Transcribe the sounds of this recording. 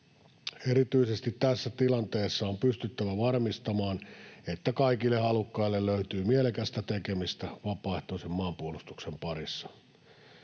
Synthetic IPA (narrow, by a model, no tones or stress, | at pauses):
eɾit̪yisest̪it̪tæsːæt̪ilɑnt̪eːsːɑompyst̪yt̪ːæʋæʋɑrmist̪ɑmɑːnet̪ːækɑikilːehɑlukːɑilːelløyt̪yːmielekæst̪æt̪ekemist̪æʋɑpˑɑˑeht̪oˑisemmɑːmpuolust̪u̥ksempɑrisːɑ̥